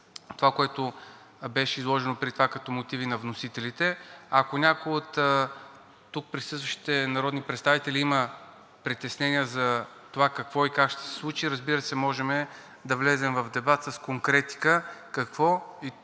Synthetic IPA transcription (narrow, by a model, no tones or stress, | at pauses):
t̪ovakoɛt̪o | bɛʃɛizlˠɔʒɛnopɾit̪ovakɐt̪ɔmot̪ivinɐvnosit̪ɛlit̪ɛɐkonʲakojot̪ | t̪ːuk̚pɾisɤst̪vəʃt̪i̥t̪ɛnɐɾɔd̪nipɾɛt̪st̪avit̪ɛlʲiimə | pɾit̪ɛsnɛniəzɐ | t̪ovakɐkvɔikakʃt̪ɛ̥sɛ̥slˠut͡ʃiɾəzbiɾəsɛmɔʒɛmɛ | d̪ɐvlɛzɛmvɐvd̪ɛbat̪sɐskoŋkɾɛt̪i̥kəkɐkvɔi